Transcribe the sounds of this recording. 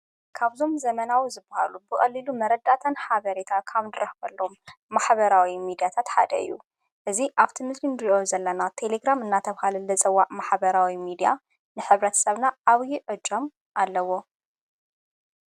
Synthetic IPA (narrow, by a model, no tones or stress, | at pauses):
kʰaβzo̞mzɐmɐnawizɨbːɐha̰lubɨkʼɐlːilumɐɾɐd̪at̪ʰɐnħaβɐɾet̪ʰakʰaβnd̪ɨɾɐħkʰɐlːo̞mːaħβɐɾawimid̪ijat̪ʰat̪ħa̰d̪ɐ̰ɨ̰jːu | ʔɨziʔaβt̪ʰimɨslinɾiʔozɐlːɐnat̪ʰe̞leɡɾamɨnːat̪ʰɐβhalɐlɐt͡sʼɐwːaʔmaħbɐɾawimid̪ija̰ | nɨħɨβɾɐt̪ʰɐ̥sɐβnaʔaβjɪʕɨd͡ʒom | ʔalːɐwo̞